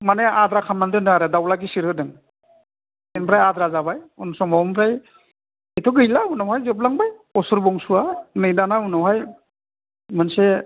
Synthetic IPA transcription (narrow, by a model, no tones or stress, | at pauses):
maneadɾakʰamandɯnɯaɾɯdawlaɡisiɾɯdɯŋ | enbɾajadɾazabajunsɔŋmambɾaj | etʰɔɡɯjlaunawhajzɯp̬laŋbajɔsuɾbɔŋsuanɯjdanaunawɦaj | mɯnse